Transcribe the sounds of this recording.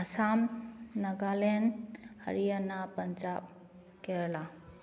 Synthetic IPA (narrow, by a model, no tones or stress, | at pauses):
əsamnəɡalenhə̰ɾijanapənd͡ʒab̚ | keɾla